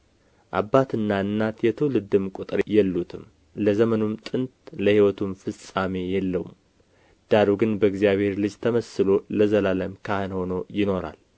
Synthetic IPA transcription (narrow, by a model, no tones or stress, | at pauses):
ʔa̰bːat̪ʰɨnːaɨnːat̪jɛt̪ʰəwlɨd̪ɨmkʼut̪ʼɾjɛlːut̪ʰɨm | ləzəmənumt̪ʼɨnt̪ləhiwɔt̪ʰumfɨsʼamejɛlːəwṵm | d̪̥aɾuɡɨnbəɡzijaβhe̞ɾlɨd͡ʒt̪ʰəməsɨloləzəlaləmkʰahɨnho̞no̞jɪno̞ɾa̰l